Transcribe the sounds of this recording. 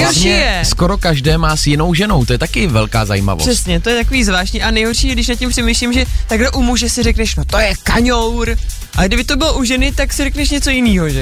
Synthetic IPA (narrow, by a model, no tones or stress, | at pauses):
ɛjoʃijɛsko̞ɾo̞kaʒdɛːmaːsjɪno̞wʒɛnowt̪ojɛt̪akɪvɛlka̰ːza̰jḭːma̰vo̰r̥ɛsɲɛt̪ojɛt̪ako̞viːzvlaːʃtɲiʔanɛjɦorʃiːjɛdɪʃnat̪cːɛmpr̝̥ɛmejʃlimʒɛt̪aɡlɛʔumuʒɛsɪrɛknɛʃnot̪o̞jɛkaɲowɾ | ʔaɡdɪbɪt̪o̞bɪloʔuʒɛnɪt̪aksɪrɛknɛʃɲɛt͡so̞jɪniːɦoʒɛ